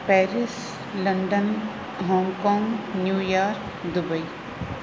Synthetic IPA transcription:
pɛːɾɪs | lɐ̃ɳɖən | ɦɔ̃ːŋkɔ̃ːŋɡnjuːjaːɾk | d̪ʊbəi

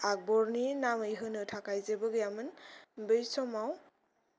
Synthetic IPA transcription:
ak̚bɔɾninamɯjɦɯnɯtʰakajzebɯɡjamɯnbɯjsɔmaw

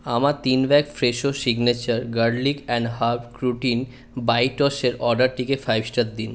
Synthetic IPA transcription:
amat̪inbɛkfɾeʃosiɡnet͡ɕəɾɡəɾɖlikɛɳɖɦaɾbkɾuʈin | bajʈɔʃeɾɔɖaɾʈikefajbsʈat̪̚d̪in

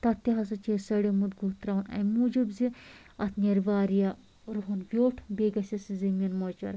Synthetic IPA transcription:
t̪ɐt̪ːiɦɐs̬ɐt͡ʃesɐɽemud̪ɡuːt̪ɾaːunɐ̰jmuːd͡ʒibzi | ɐt̪ʰnʲɐɾʋaːɾja | ɾuɦunʋʲjoːʈʰbeːɡɐsʲɐsizɐmʲinmot͡ʃɐ̰ɾ

